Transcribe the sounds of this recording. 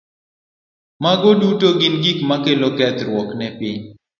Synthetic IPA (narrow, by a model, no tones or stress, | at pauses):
maɡodutoɡinɡikmakelokɛt̪ɾwɔknɛpɪɲ